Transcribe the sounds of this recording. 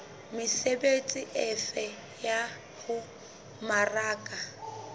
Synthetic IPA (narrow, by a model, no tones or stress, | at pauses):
mɪsebet͡sʼiʔɛfɛ | ja | hʊ | maraːkʼa